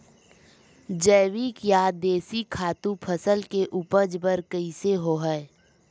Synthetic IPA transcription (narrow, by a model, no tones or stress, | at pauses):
d͡ʒəːʋikjad̪eːsikʰaːt̪ũpʰəsəlkeʔuːpəd͡ʒbəɾkəiseɦoːɦɛː